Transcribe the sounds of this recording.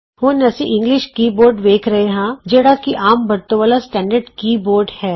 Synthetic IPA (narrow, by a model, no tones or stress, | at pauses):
ʋonɛːsiʔɪ̃ŋɡlɪʃkiːboːɾɖʋeːkʰɾɐɦeɦãːd͡ʒeːɽakiʔaːmbɐɾt̪õʋaːlasʈɛ̃ːɳɖəɾɖkiːboːɾɖhɛː